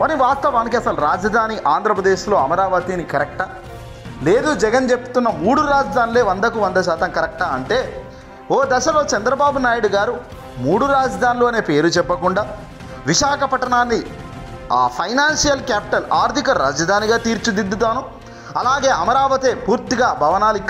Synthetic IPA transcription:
ʋɐniʋaːst̪ɐʋaːnik̬iɐsɐlɾaːd͡ʒɐd̪ʱaːniʔaːnd̪ʱɾɐpɾɐd̪e̞ːʃlo̞ːɐmɐɾaːʋɐt̪inikɐɾɛk̚ʈaː | le̞ːd̪ud͡ʒɛɡɐnt͡ʃepːu̥t̪unːɐmuːɽuɾaːd͡ʒɐd̪ʱaːnule̞ːʋɐnd̪ɐkuʋɐnd̪ɐʃaːt̪ɐmkɐɾɛk̚ʈaːɐɳʈe̞ː | oːd̪ɐʃɐlo̞ːt͡ʃɐnd̪ɾɐbaːbunaːjuɽuɡaːɾu | muːɽuɾaːd͡ʒɐd̪ʱaːnluɐne̞ːpe̞ːɾut͡ʃɛpːɐkuɳɖaː | ʋiʃaːkɐpɐʈɐnaːnːi | aːpʰɐjnaːnʂijɐlkaːpi̥ʈɐlaːɾt̪ikɐɾaːd͡ʒɐd̪ʱaːniɡaːt̪iːɾt͡ʃud̪ind̪ut̪aːnu | ɐlaːɡe̞ːʔɐmɐɾaːʋɐt̪eːpuːɾt̪iɡaːbʱɐʋɐnaːlikː

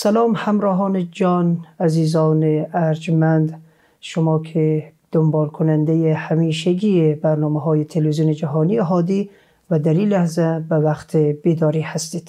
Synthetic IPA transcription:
sælɒːmhæmɾɒːɦɒːned͡ʒɒːnæziːzɒːneæɾd͡ʒmænd̪ | ʃomɒːkʰed̪̥ombɒːlkʰonænd̪ejehæmiːʃeɡʲiːebæɾnɒːmɛɦɒːjet̪ʰelvizioned͡ʒæɦɒːnieɦɒːd̪iː | væd̪æɾiːlæhzæbævæqt̪ʰebiːd̪ɒːɾiːhæst̪iːd̪̥

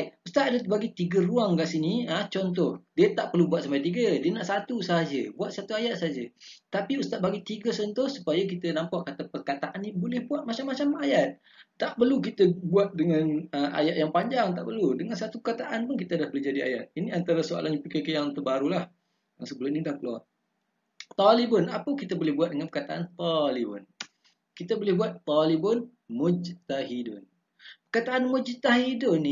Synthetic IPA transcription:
just̪at̪adəbaɡit̪iɡəruaŋkaʔsiniət͡ʃɔnt̪̬ɔhdiət̪aʔpərlubuat̪sampajt̪iɡədiənaʔsat̪usəɦad͡ʒəbuat̪̚sat̪uajat̪̚saad͡ʒət̪apiust̪at̪̚baɡit̪iɡəsɔnt̪ɔhsu̥pajak̬it̪ənãmpaʔkat̪apərkat̪aʔanːĩbolɪhbuat̪̚mat͡ʃamːat͡ʃamajat̪̚ | t̪ːaʔpərlukit̪əbuat̪̚dəŋanəmʔa̰jaʔ̪jaŋpaɲd͡ʒaŋt̪aʔpərludəŋansat̪upəkat̪aʔanpʊnkit̪adahbəlid͡ʒadia̰jat̪̚iniant̪aɾasoa̰lʔaɲapikakejaŋt̪əbaɾulah | jaŋsəbəlʊmnidahkəlua | t̪ɔlibʊnapəkit̪abolɪhbuat̪̚dəŋanpərkat̪aʔant̪ɔlibʊn | kit̪abolɪhbuat̪ːɔlibʊn | mʊd͡ʒt̪aɦidʊn | pəkat̪aʔanmʊd͡ʒt̪aɦidʊni

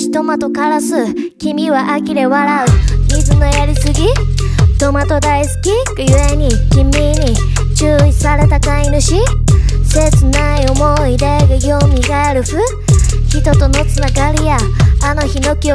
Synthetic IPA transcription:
i̥t̪o̞mat̪o̞kaɾasɨ | kʲimʲiβaʔakʲiɾe̞βaɾaɯ̟mʲizɨno̞jaɾʲisɨɡʲi | t̪o̞mat̪o̞d̪aisɨ̥kʲikɯjɯ̟e̞ɲ̟ikʲimʲːiɲ̟i | t͡ɕɨːi̥saɾe̞t̪akainɯ̟ɕise̞t͡sɨnaio̞mo̞id̪ajaɡaɡʲo̞ːmʲiɡaaɾɯ̟ɸɯ | çit̪o̞t̪o̞no̞t͡sɨnaɡaɾʲijaː | no̞çino̞kʲio

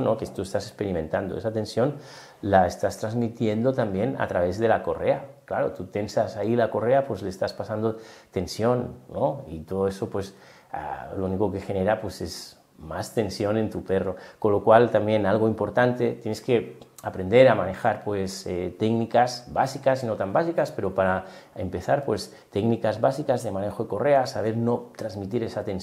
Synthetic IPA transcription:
nokest̪ue̞st̪asespe̞ɾimẽ̞nt̪and̪o̞esat̪ẽ̞nsjo̞n | laest̪ast̪ɾazmit̪je̞nd̪o̞t̪ambje̞na̰t̪ɾaβ̞e̞zðe̞lako̞re̞aklaɾo̞̰t̪ut̪e̞nsasailako̞re̞apwe̞zleːst̪aspasand̪ot̪e̞nsjo̞nːoit̪o̞ð̞oe̞so̞pwe̞s | a̰louniko̞ke̞xe̞ne̞ɾapwe̞se̞z | mast̪e̞nsjo̞ne̞nt̪upero̞konlːo̞kwalt̪ambje̞nalɣ̞oimpo̞ɾt̪ant̪e̞t̪jeneske̞apɾe̞nd̪e̞ɾamane̞xaɾpwe̞set̪eknikasbasikasino̞t̪ambasikaspe̞ɾo̞paɾa | empe̞θaɾpwe̞s | t̪eknikazβasikazðe̞mane̞xoeko̞re̞asaβ̞e̞ɾno̞t̪ɾazmit̪̬iɾesat̪ens

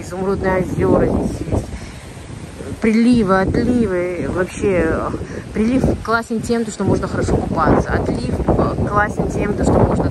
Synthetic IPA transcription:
ɪzʊmɾod̪nəjəɐzʲo̞ɾəzʲesʲjesʲtʲ | pɾʲɪlʲivɨɐt̪lʲivɨvɐpɕːe̞ | pɾʲɪlʲifklˠasʲɪntʲemt̪əʂt̪omo̞ʐnəxəɾɐʂo̞kʊpat̪səɐ̰t̪lʲifklˠasʲɪnʲtʲemt̪əʂt̪o̞mo̞ʐnə

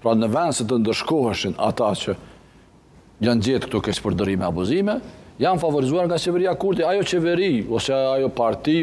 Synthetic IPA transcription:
pɾanəvɛnd̪sət̪̬ənd̪əɾʃkɔhɛʃina̰t̪at͡ʃə | jand͡ʑɛt̪kt̪ukɛt͡ʃpəɾd̪əɾimɛabuzimɛjanfavɔɾizuaɾŋɡat͡ɕɛvɛɾiakuɾd̪iajɔt͡ɕɛvɛɾiɔsɛajɔpaɾt̪i

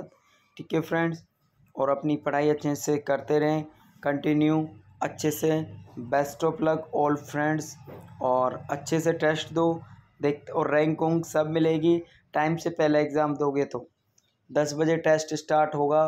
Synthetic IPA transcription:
t̪ | ʈɪkefʰɾɛ̃ɳɖs | ɔːɾɐpnipɐɽ̤aːiɐtːʃʰesekɐɾt̪eɾɐɦẽ | kɐ̃ɳʈɪnju | ɐtːʃʰesebɛːsʈɔːplɐɡɔːlfɾɛ̃ɳɖsɔːɾɐtːʃʰeseʈeːsʈd̪oːd̪eːk̚t̪ɔːɾːɛ̃ːŋkʊ̃ŋɡsɐbmɪleːɡi | ʈaːɪmsepɛɦleɪɡzaːmd̪oːɡet̪oː | d̪ɐsbɐd͡ʒeʈeːsʈɪsʈaːɾʈɦoːɡaː

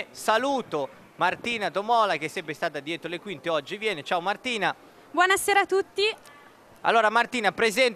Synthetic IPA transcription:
saluːt̪o | mart̪iːnat̪omɔːlak̟esːɛmpɾest̪aːt̪ad̪jɛːt̪ɾolekwint̪eɔd͡ʒːivjɛːnet͡ʃaːomart̪iːna | bwɔnaseːɾat̪ːut̪ːi | a̰lːoːɾamart̪iːnapɾezɛn

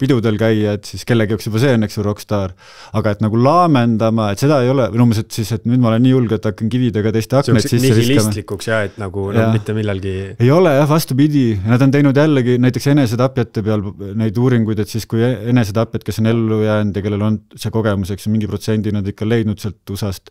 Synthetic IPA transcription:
pid̪ud̪e̞lkæjːɑet̪siske̞lːeɡjoksjubɑseenːeksjuɾo̞kst̪ɑːr | ɑɡ̥ɑe̞t̪nɑɡ̥ulɑːme̞nd̪̥ɑmɑe̞t̪se̞d̪̥ɑe̞jo̞leminumes̬et̪sise̞t̪nyːd̪̚mɑole̞nːiːulɡeet̪ːˑɑkːɑnkivid̪eɡ̥ɑt̪e̞jst̪eɑknesisːeisesmlikːuksjɑet̪ːnɑɡ̥unjɑmit̪ːemilːɑlɡ̥ie̞jo̞lejɑhvɑst̪upid̪̥ʲijɑnɑd̪ot̪e̞jnud̪jælːeɡinæjt̪ːˑekse̞ne̞sed̪ɑpːˑjɑt̪ːe̞peɑlne̞jd̪uːɾiŋɡ̥ujd̪̥e̞t̪siskujee̞nes̬ed̪ɑpˑjɑt̪̚ke̞sːo̞ne̞lːujæːnd̪jɑke̞lːe̞lo̞nseko̞ɡ̥e̞muse̞ksjomiŋɡipro̞t̪se̞nʲd̪inɑd̪ikːˑɑle̞jd̪nud̪̥selt̪usɑst̪

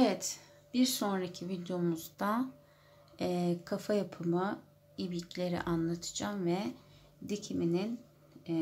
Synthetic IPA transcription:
evɛt̪ | b̥iɾso̞nɾacʰivid̪eo̞muzd̪a | kʰafajapʰɯmɯ | ibicʰlʲe̞ɾḭʔanlˠat̪ʰɯ̥d͡ʒaːmvɛ | d̪icʰiminin

